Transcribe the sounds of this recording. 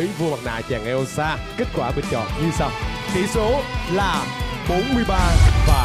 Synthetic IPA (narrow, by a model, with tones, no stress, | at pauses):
jvu˧əma˨˩na̰ː˧˨t͡ɕaː˨˩ŋʔɛ˧ʔo˧saː˧ | ke˦˥t̚kwaː˧˩ɓï˨˩ŋ̟t͡ɕɔ̰˧˨nɲɨ˧saː˧wt̪ḭ˧˩˦so˨˦laː˨˩ɓo˨˦nmɨ˧əjɓaː˧vaː˨˩